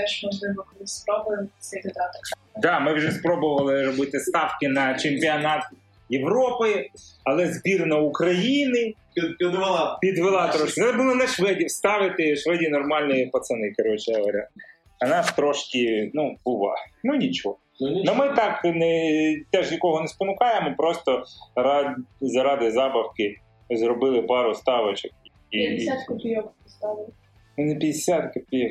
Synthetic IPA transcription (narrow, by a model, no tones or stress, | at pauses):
ɛʃmɔʒlˠɪbɔnɪspɾɔbʊɪmsʲɛdʲɪd̪at̪ | d̪ɑmɪwʒɛspɾɔbʊʋɐlˠɪɾɔbɪt̪ɪst̪ɑfkɪnɐt͡ʃemʲpʲiɐnɑt̪ | jeʋɾɔpɪɐlˠɛzbʲirnɐukɾɐjinɪ | pʲid̪ʋlˠpʲid̪ʋelˠɑt̪ɾɔʃkʲɪɛbʊlˠɔnɐʃʋɪdʲiwst̪ɑʋɪt̪ɪʃʋɪdʲinɔrmɑlʲnijipɐt̪sɐnɪkɐɾɔt͡ʃɛɦɐɦɐɾʲa̰ | ɐnɑst̪ɾɔʃkɪnubʊʋɑ̰mɪnʲit͡ʃɔɦɔnʊmɪt̪ɑknɛt̪ɛʒnʲikɔɦɔnɛspɔnʊkɑjemɔpɾɔst̪ɔɾɑzɐɾɑd̪ɪzɑbɐwkɪ | zrɔbɪlˠɪpɑɾʊst̪ɑʋɐt͡ʃek̚ | iat̪kjabɪst̪ɑʋ | nepʲid̪ɪsʲat̪kɪpʲi